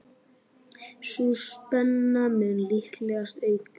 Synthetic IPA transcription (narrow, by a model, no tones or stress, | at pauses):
suspɛnːamɛnlihklɛɣast̪eɥt̪